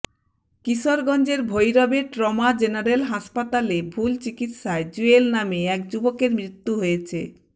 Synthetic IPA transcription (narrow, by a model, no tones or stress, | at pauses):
kiʃoɾɡɔnd͡ʑeɾbʱojɾɔbeʈɾɔmad͡ʑenaɾelɦaʃpat̪alebʱult͡ɕikit̪ʃaed͡ʑuelnameɛkd͡ʑubokeɾmɾit̪ːuɦojet͡ɕʰe